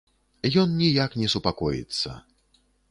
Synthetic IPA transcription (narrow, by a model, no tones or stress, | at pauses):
jɔnnʲijaknʲɛsupakɔjḭt̪sːɐ̰